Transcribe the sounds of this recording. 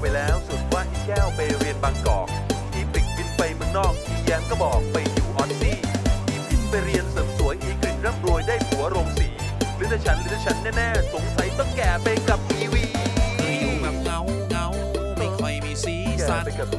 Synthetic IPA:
pa˧jlɛː˦˥wsu˨˩nwaː˦˥˩t̪ʰiː˥˩kɛː˥˩wpa˧jɾi˧ənbaː˧ŋkɔ̰ː˨˩k̚t̪ʰiː˧˩pi˨˩k̪̚pʰwi˦˥t̪̚pa˧jmɯ˥˩ŋnɔː˥˩k̚t̪ʰiː˧jaː˧nkɔː˥˩bɔː˨˩k̚pa˧jju˧wʔɔ˨˦˥nsiː˥˩t̪ʰiː˧pʰi˦˥t̪̚pa˧jɾi˧ənsɤː˨˩msu˩˦jʔiː˧˩k̚ɯ˨˩nɾaː˥˩mɾu˧əjdaː˥˩jpʰuː˨˩˦ɾo˧mtiː˨˩˧ | a˧˩t͡ɕʰa˦˥nlɯ˦˥a˧˩t͡ɕʰa˦˥nːɛː˥˩nɛː˥˩sʰo˨˩˦ŋsʰa˨˦˥jt̪ɔ˥˩ŋkɛː˨˩pa˧jka˨˩p̚miː˧wiː˧˥˩ | a˨˩ka˧˥w | ka˧˥wʰ | a˧iː˧i˧˥a˨˩pa˧ka˨˩p̚

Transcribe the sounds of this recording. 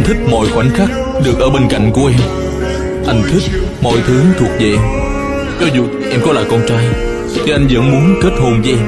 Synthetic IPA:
t̪ʰï˦˥k̟̚mɔ̰˧˨jxwa˧˩n̟xaː˦˥k̚ | ɗɨ˨˩ək̚ʔəː˧˩ɓe˧nka̰˧˨jŋ̟ku˧˩əʔɛ˧m | ʔa˧jŋ̟t̪ʰï˦˥k̟̚ | mɔ̰˧˨jt̪ʰɨ˨˦t̪ʰu˨˩ək̚veː˨˩ʔɛ˧m | kɔ˨˦zṵ˧˨˩ | ʔɛ˧mkɔ˨˦laː˨jkɔ˧nt͡ɕaː˧j | t̪ʰi˨˩ʔa˧jŋ̟zə̰˧˥nmu˨˦ənt͡ɕəː˦˥t̚ho˧nzə˧ʔɛ˧m

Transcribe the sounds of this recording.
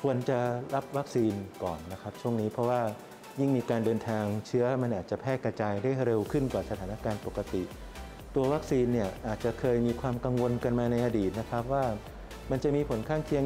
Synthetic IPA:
kʰu˧ənt͡ɕa˨˩ɾa˦˥p̚wa˦˥k̚siː˧nkɔː˨˩nːa˦˥kʰa˦˥p̚t͡ɕʰu˥˩əŋniː˦˥pʰɾɔ˦˥waː˥˩ | ji˥˩ŋmiː˧kaː˧ndɤː˧nt̪ʰaː˧ŋt͡ɕʰɯ˦˥ɐma˧nʔaː˨˩t͡ɕa˨˩pʰɛː˥˩ka˧t͡ɕaː˧jdaː˥˩jɾe˧wkʰɯ˥˩nkwaː˨˩sa˧aː˩˦na˦˥kaː˧npo˨˩kːa˧t̪i˨˩ʔ | t̪u˧ɐwa˦˥k̚siː˧nːi˥˩ɐʔaː˨˩t̪̚t͡ɕa˨˩kʰɤː˧jmiː˧kʰwaː˧mka˧ŋwo˧nka˧nmaː˧na˧jʔa˧diː˨˩t̪̚na˦˥kʰa˦˥p̚waː˥˩ | ma˧nt͡ɕa˨˩miː˧pʰo˩˦nkʰaː˥˩ŋkʰi˧ə

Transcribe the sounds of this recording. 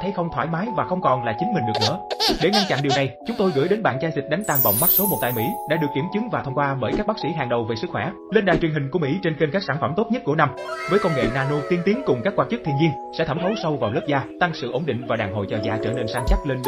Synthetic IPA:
ə˨˦jxə˧wŋ͡mt̪ʰwaː˧˩jmaː˨˦jvaː˨˩xə˧wŋ͡mkɔ˨˩nlaː˨˩t͡ɕï˨˦ŋ̟mï˨˩ŋ̟ɗk̚nɨ̰˧˥əɗe˧˩ŋa˧nt͡ɕa̰˧˨nɗi˨˩əwna˨˩jt͡ɕʊ˨˦ŋ͡mt̪o˧jɣɨ̰˧˥˩jɗe˨˦nɓa̰ː˧˨nt͡ɕaː˧jzi˨˩k̟̚ɗa˨˦ŋ̟t̪aː˧ŋvə̰˧˨wŋ͡mma˦˥t̚so˨˦mo˨˩t̪a̰ː˧˨jmḭ˧˥ɗa̰ː˧˥ɗɨ˨˩əkːi˧˩əmt͡ɕɨ˨˦ŋvaː˨˩t̪ʰə˧wŋ͡mkwaː˧ɓəː˧˩jkaː˦˥k̚ɓaː˦˥k̚sḭ˧˥ɦaː˨˩ŋɗə˨˩wve˨˩sɨ˦˥kxwɛ˧˩ | le˧nɗa̰ː˧˨jt͡ɕwŋɦï˨˩ŋ̟ku˧˩əmḭ˧˥t͡ɕe˧nxe˧nkaː˦˥k̚saː˧˩nfə˧˩mt̪o˦˥t̚ɲə˦˥t̚ku˧˩əna˧mvəː˨˦jko˧ŋ͡mŋḛ˧˨naː˧no˧t̪i˧ənt̪i˨˦əŋkʊ˨˩ŋ͡mkaː˦˥kwaː˧t͡ɕɨ˦˥k̪̚ʰi˧nzi˧əŋsɛ̰˧˥t̪ʰə˧˩mt̪ʰə˨˦wsa˧wvaː˨˩wlə˦˥p̚zaː˧t̪a˧ŋsɨ̰˧˨ʔo˧˩nɗḭ̈˧˨ŋ̟vaː˨˩ɗaː˨˩ŋɦo̰˧˨jt͡ɕəː˨˩za̰ː˧˩t͡ɕəː˧˩ne˧nsaː˧nt͡ɕa˦˥t̚le˧n

